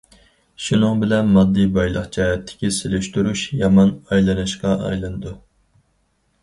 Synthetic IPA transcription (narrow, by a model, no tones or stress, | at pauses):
ʃunɨŋbɪlɛnmɑd̪ːijbɑjlˠəχd͡ʒɑːɦɛt̪ʰːɪ̥kʲiselyʃt̪yɾuʃjɑmɑnɑjlˠɨnɨʃqɑʔɑ̰jlˠɨnɨd̪u